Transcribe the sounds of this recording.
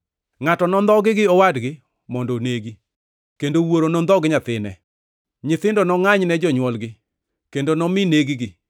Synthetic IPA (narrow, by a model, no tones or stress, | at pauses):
ŋatɔnɔnd̪ɔɡɪɡɪɔwadɡɪ | mɔndoneɡi | kendowoɾonɔnd̪ɔɡɪɲat̪ɪnɛ̰ | ɲɪt̪ɪndɔnɔŋaɲnɛd͡ʒɔɲwɔlɡɪ | kendonɔmɪneɡiɡɪ